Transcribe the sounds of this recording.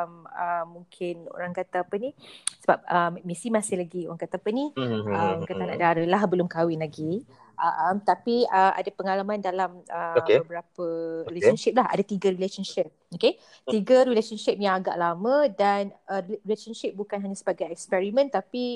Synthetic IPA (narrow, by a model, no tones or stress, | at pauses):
məːuŋkʰɪno̰ɾaŋkat̪aːpənisəba̰p̚əmmisimasɪhlaɡioɾaŋkat̪aːpəniəmkat̪ana̰ʔdaɾəlahbəlʊmkawɪnlaɡi | ʔaʔmt̪apiəʔa̰dapəŋalamãndalaməoəbəɾapəɾileɔnʃɪp̚laɦa̰dat̪iɡəɾileʃɔnʃɪp̚oke | t̪iɡəɾileʃɔnʃɪp̚jaŋaɡa̰ʔlamə̃danəirileʃɔnʃɪp̚bukanɦaɲasəbaɡajɛkspɛɾimə̃nt̪api